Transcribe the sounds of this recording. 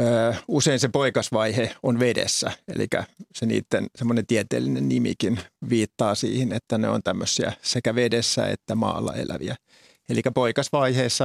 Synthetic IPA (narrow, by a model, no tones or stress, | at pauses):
əːuseinsepoikɑsʋɑiheonʋedḛsːæḛlḭkæ̰senḭːt̪ːensemːonent̪iet̪ḛːlːinennimḭkinʋiːt̪ːɑːsḭːhinet̪ːænḛo̰nt̪æmːøsːiæ̰sekæʋedesːæ̰ḛt̪ːæmɑ̰ːlːɑ̰ḛlæʋiæ | elikæpoikɑsʋɑiheːsːɑ